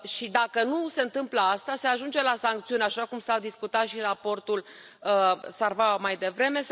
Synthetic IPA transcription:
ʃid̪akənuse̞nt̪ɨmpləast̪ase̞aʒund͡ʒe̞lasaŋk̚t̪siunaʃakumsad̪iskut̪at̪ʃirapo̞rt̪ul | əsarvamajd̪e̞vɾe̞me̞s

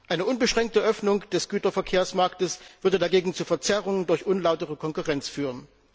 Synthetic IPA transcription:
ʔaɪnəʔʊnbəʃʁ̥ɛŋk̚təʔœfnʊŋd̥ɛsɡ̥yːtɐfɛɐkʰeːɐsmaɐktəsv̥ʏɐdədaɡeːɡŋ̩t͡suːfɛɐt͡sɛʁʊŋəndʊɐçʔʊnlaʊtəʁəkʰɔŋkuʁɛnt͡sfyːʁ̞ən

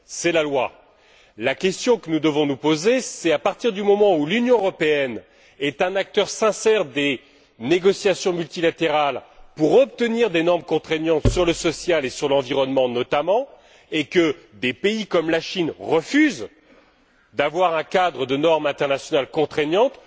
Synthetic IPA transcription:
sɛlalwa | lakʲɛst̪jɔ̃kənud̪əvɔ̃nupozesɛapaʁt̪iʁd̪ymɔmɑ̃ulynjɔ̃øʁɔpeɛn | ɛt̪ɛ̃nak̚t̪œʁsɛ̃sɛʁd̪e | neɡɔsjasjɔ̃mylt̪ilat̪eʁalpuʁɔp̚t̪əniʁd̪enɔʁmkɔ̃t̪χɛɲjɑ̃t̪syʁləsɔsjalesyʁlɑ̃viʁɔnmɑ̃nɔt̪amɑ̃ | ekəd̪epeikɔmlaʃinʁəfyz | d̪avwaʁɛ̃kad̪ʁəd̪ənɔʁmɛ̃t̪ɛʁnasjɔnalkɔ̃t̪χɛɲɑ̃t̪

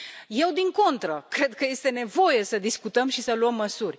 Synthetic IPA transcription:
je̞wd̪iŋko̞nt̪ɾəkɾe̞d̪̚kəje̞st̪e̞ne̞vo̞je̞səd̪iskut̪əmʃisəluəmːəsurʲ

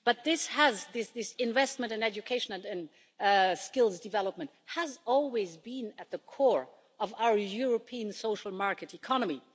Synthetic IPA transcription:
b̥ʌt̪̚ðɪshəzðɪsðɪsɪ̃ɱvɛst̚mə̃ntɨ̃nɛd͡ʒɨkʰeɪʃə̃nɨ̃ntɨ̃n | skɪlˠzdɨvɛlˠəp̚mə̃nthəzɔlˠwizbɪ̃nɨt̪̚ðəkʰɔɹ | ʌvaʊə˞jʊɹəpʰiɨ̃nsoʊʃl̩ˠmɑɹkɨɾikʰɑnəmi

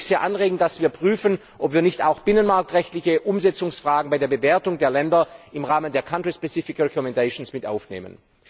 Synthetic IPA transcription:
z̥eːɐʔanʁeːɡŋ̩td̥asv̥iːɐpʁ̥yːfən | ʔɔpv̥iːɐnɪçta̰ʊxb̥ɪnənmaɐk̚tʁɛçtlɪçəʔʊmzɛt͡sʊŋsfʁ̥aːɡŋ̩baɪdeːɐbəveːɐtʊŋdeːɐlɛndɐʔɪmʁaːməndeːɐkʰantʁispɛt͡sifɪkʁɛkɔmɛndaʃonsmɪtʔa̰ʊfnḛːmə̰n

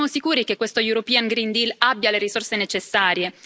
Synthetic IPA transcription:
amosikuːɾikekːwest̪ojuɾopiːaŋɡɾind̪ilabːjaleɾisorsenet͡ʃesːaːɾje

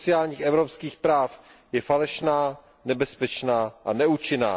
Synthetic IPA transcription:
t͡sɪaːlɲiːxʔɛvɾopskiːxpɾaːf | jɛfalɛʃnaː | nɛbɛspɛt͡ʃnaːʔanɛut͡ʃɪna̰ː

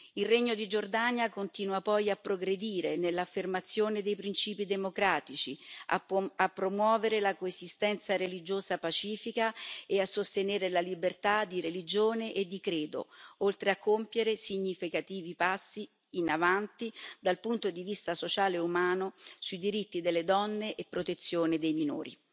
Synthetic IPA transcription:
ilreɲːod̪id͡ʒord̪anjakont̪iːnwapɔjapːɾoɡɾed̪iːɾenelːafːermat̪sːjoːned̪ejpɾint͡ʃiːpid̪emokɾaːt̪it͡ʃiaapːɾomwɔːveɾelakoezist̪ɛnt̪saɾelid͡ʒoːzapat͡ʃiːfikaeasːost̪eneːɾelalibert̪ad̪ːiɾelid͡ʒoːneʔed̪ːikɾeːd̪o̰olt̪ɾeakʰːompjeɾesiɲːifikat̪iːvipasːiː | navant̪id̪alpunt̪od̪ivist̪asot͡ʃaːleumaːnosuid̪iɾit̪ːid̪elːed̪ɔnːeʔepːɾot̪et̪sːjoːned̪ejmino̰ːɾḭ

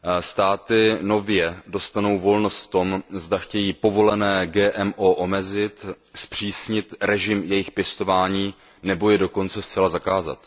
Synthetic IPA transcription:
st̪aːt̪ɪno̞vjɛdo̞st̪ano̞wvo̞lno̞st̪ft̪o̞mzdaxcɛjiːpo̞vo̞lɛnɛːɡɛːʔɛmʔoʔo̞mɛzɪt̪ | spr̝̥iːsɲɪt̪ɾɛʒɪmjɛjɪxpjɛst̪o̞vaːɲiː | nɛbo̞jɛdo̞ko̞nt͡sɛst͡sɛlazakaːza̰t̪

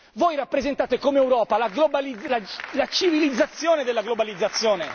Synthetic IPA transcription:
voːjɾapːɾezẽnt̪aːt̪ekomeɛwɾɔːpalaɡlobalialat͡ʃivilid̪zːat̪sːjoːned̪elːaɡlobalid̪zːat̪sːjɔːne

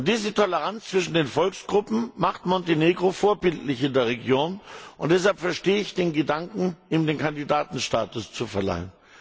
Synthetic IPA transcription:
ʔʊntd̥iːzətʰɔləʁant͡st͡sv̥ɪʃn̩deːnfɔlksɡ̥ʁʊpm̩maχtmɔnteneːɡʁofoːɐbɪltlɪçɪndeːɐʁ̞eɡjoːnʔʊnt̚d̥ɛs̬halpfɛɐʃteːəɪçd̥eːnɡədaŋkŋ̩ʔiːmdeːnkʰandidaːtn̩ʃtaːtʊst͡sufɛɐla̰ɪən

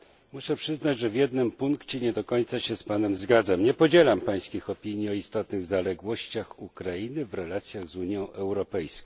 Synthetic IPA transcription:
muʂɛpʂɘznad͡ʑʐɛvʲjɛd̪nɘmpuŋkt͡ɕɛɲɛd̪ɔkɔɲt̪saɕɛspanɛmzɡad̪zamɲɛpɔd͡ʑɛlampaj̃skʲixɔpʲiɲiɔist̪ɔt̪nɘɣzalɛɡwɔɕt͡ɕaxukɾainɘvɾɛlat̪sʲjaɣzuɲjɔ̃w̃ʔɛwɾɔpɛjskɔ̃

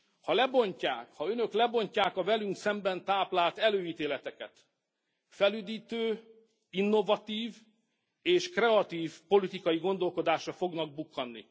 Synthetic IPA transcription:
hɒlɛbo̞ɲcaːkhɒø̞nø̞klɛbo̞ɲcaːkɒvɛlyŋksɛmbɛnt̪aːplaːlt̪ɛløːiːt̪eːlɛt̪ɛkɛ̰t̪ | fɛlyːd̪iːt̪øː | inːo̞vɒt̪iːv | eːʃkrɛɒt̪iːvpo̞lit̪ikɒjiɡo̞nd̪o̞lko̞d̪aːʃrɒfo̞ɡnɒɡ̚bukːɒnːḭ

